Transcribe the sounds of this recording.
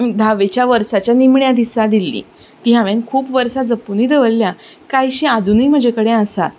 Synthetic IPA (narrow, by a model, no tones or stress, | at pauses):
md̪ʱaʋet͡ɕjaʋəɾsat͡ɕjanimɳjad̪ʱisaɖ̪ilːḭː | t̪iɦãʋẽnkʰuːpʋəɾsad͡zəpuniːd̪əʋəlːja | kajɕiːad͡z̪ʱuniːm̤əd͡ʑʱekəɽẽasa̰